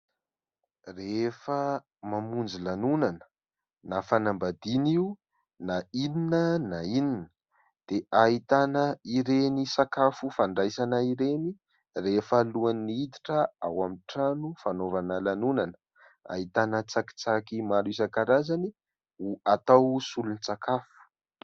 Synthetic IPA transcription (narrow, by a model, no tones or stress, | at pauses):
refə | mamund͡zilanunanə̥ | nafanambad̪iniu | naininənaininə̥ | d̪̥eʔaɦit̪anəiɾenisakafufaɳɖ͡ʐajsanəiɾeni | refəluaniit̪i̥ʈ͡ʂəa̰wamiʈ͡ʂanufanovanəlanunanə̥ | a̰it̪anət͡saki̥t͡sakimaɾisakaɾazani | uat̪awsulunit͡sakʰafu̥